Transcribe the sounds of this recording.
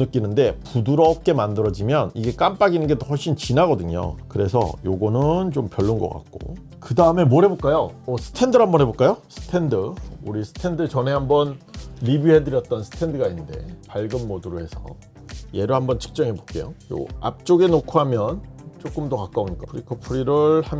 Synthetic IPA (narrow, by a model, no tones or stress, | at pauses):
nɯk͈inɯnde̞puduɾʌp̚k͈e̞mandɯɾʌd͡ʑimjʌniɡe̞k͈amp͈aɡinɯnɡe̞t͈ohʌɭɕ͈ʰint͡ɕinaɡʌdɯɲo̰kɯɾe̞sʰʌ̰joɡʌnɯnt͡ɕompjʌɭːunɡʌk͈a̰k̚k͈o̰ | kɯdaɯme̞mwʌɾɦe̞bok͈ajoʌsʰɯ̥tʰe̞ndɯɦambʌnɦe̞bok͈ajosʰɯ̥tʰe̞ndɯuɾisʰɯ̥tʰendɯt͡ɕʌne̞ɦambʌnɾibjiɦedɯɾjʌt̚t͈ʌnsʰɯ̥tʰe̞ndɯɡainːɯnde̞paɭɡɯnmoduɾohe̞sʰʌ̰ | je̞ɾohambʌnt͡ɕʰɯ̥k̚t͡ɕ͈ʌŋɦe̞po̥k͈e̞̰jo̰jo̰a̰p̚t͡ɕ͈oɡe̞nokʰoɦamjʌnt͡ɕ͈ok͈ɯmdokak͈aoɲik͈apʰɯɾikʰopʰuɾiɾɯɭham